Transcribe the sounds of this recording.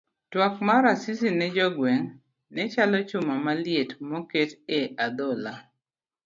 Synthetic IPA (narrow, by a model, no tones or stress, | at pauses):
twɔkmaɾasisinɛd͡ʒɔɡwɛŋ | nɛt͡ʃalɔt͡ʃʊmamaljetmɔketead̪ɔla